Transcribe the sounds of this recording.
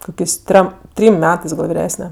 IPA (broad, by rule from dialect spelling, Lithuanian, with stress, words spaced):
ˈkoːkʲeːsʲ ˈtʲrʲɛm ˈtʲrʲiːm ˈmʲæːtɜs ɡɐlˠ ʋʲɪˈrʲæːsʲnʲɛ